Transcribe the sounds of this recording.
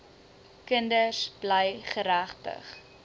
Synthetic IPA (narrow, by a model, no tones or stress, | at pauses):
kəndəsb̥ləjχəɾæχtə̰χ